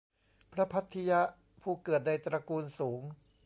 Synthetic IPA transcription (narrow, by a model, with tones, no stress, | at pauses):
pʰɾa˦˥pʰa˦˥t̪ʰːi˧ja˦˥ʔ | pʰuː˥˩kɤː˨˩t̪̚na˧jt̪ɾa˧kuː˧nsuː˩˦ŋ